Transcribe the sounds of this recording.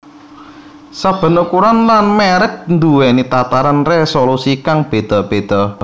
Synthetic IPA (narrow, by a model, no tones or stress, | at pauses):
sab̥ə̤nukuɾanlanmɛɾək̚nd̪uwɛnit̪at̪aɾanresolusikaŋb̥e̤d̪̥ɔ̤b̥e̤d̪̥ɔ